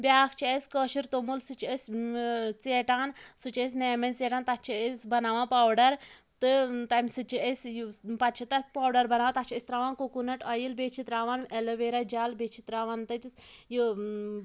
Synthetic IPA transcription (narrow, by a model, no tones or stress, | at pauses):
bʲjaːkʰt͡ʃʰiesʲkəʃiɾt̪omulsɨt͡ʃʰəsʲ | t͡seːʈaːnsɨt͡ʃes̬ʲneːmɐnt͡seːʈaːnt̪at͡ʃʰiəsʲbɐnaːʋãːpaːwɖɐɾ | t̪ɨt̪ɐmʲsɨt͡ʃʰiesjpɐt͡ʃʰit̪ɐpaːwɖɐɾbɐnaːʋat̪at͡ʃʰiəsʲt̪ɾaːʋaːnkokunɐʈɐjilbet͡ʃʰit̪ɾaːʋaːneləʋeɾad͡ʒaːlbet͡ʃʰit̪ɾaːʋaːnt̪ɐt̪isjɨ